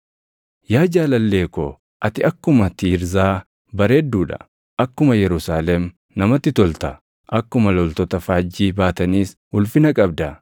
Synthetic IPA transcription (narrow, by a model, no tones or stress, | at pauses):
jaːd͡ʒaːlɐlːe̞ːko | ʔɐt̪ɪɐkːʊmɐt̪ːiɾzaː | bɐɾeːd̪ːuːᶑɐ̰ | ʔɐkːʊmɐjɛɾʊsaːlɛm | nɐmɐt̪ːɪt̪ɔlt̪ɐ | ʔɐkːʊmɐlɔlt̪ɔt̪ɐfaːd͡ʒːiːbaːt̪ɐniːs | ʊlfɪnɐkʼɐbd̪ɐ